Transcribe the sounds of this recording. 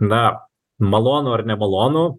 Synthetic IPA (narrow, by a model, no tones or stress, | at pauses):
nɐ | mɐlˠoːnʊːɐrnʲɛmɐlˠoːnu